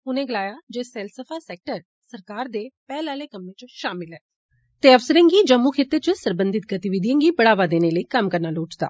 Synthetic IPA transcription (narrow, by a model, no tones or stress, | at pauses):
ʊnẽːɡəlaːjaːd͡ʒeːsɛːlsəpʰaːsɛːk̚ʈəɾ | səɾkaːɾd̪eːpɛːlaːleːkəmːẽːt͡ʃʃaːmɪlɦɛː | t̪eːəfsəɾẽːŋɡiːd͡ʒəmːuːkʰeːt̪ːət͡ʃəsəɾbənd̪ɪt̪ɡət̪ɪʋɪd̪ijə̃ŋɡiːpəɽaːʋaːd̪eːneːləiːkəmkəɾnaːloːʈd̪a̰ː